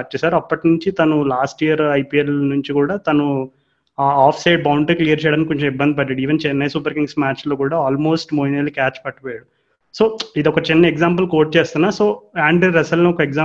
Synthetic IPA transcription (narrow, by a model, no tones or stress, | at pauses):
ɐt͡ʃːɐsaːɾɐpːɐʈinuɲt͡ʃit̪ɐnulaːsʈijɐɾɐjpiːelnuɲt͡ʃikuːɽaːt̪ɐnu | aːpʰsɐjɖ̚bɐwɳɖɐklijɐɾt͡ʃɛjaɽɐnikoɲt͡ʃɐmibːɐnd̪ipɐɖːaːɽiːʋent͡ʃɛnːɐjsupɐɾkiŋɡsmaːt͡ʃlo̞ːkuːɽaːaːlmo̞ːsʈmoːjniɐlikaːt͡ʃpɐʈːupɔːjaːɽu | soːid̪ɔkɐt͡ʃinːɐɛɡzaːmpɐlkoːʈ̚t͡ʃeːst̪unːaːso̞ːaːɳɖiɾɐsɐlnoɔkɐɛɡzaː